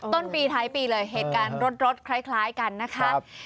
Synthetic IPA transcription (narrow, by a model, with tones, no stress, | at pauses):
t̪o˥˩npiː˧t̪ʰaː˦˥jpiː˧lɤː˧jɦeː˨˩t̪̚kaː˧nɾo˦˥t̪̚ɾo˦˥t̪̚kʰɾa˦˥jkʰlaː˦˥jka˧nːa˦˥kʰa˦˥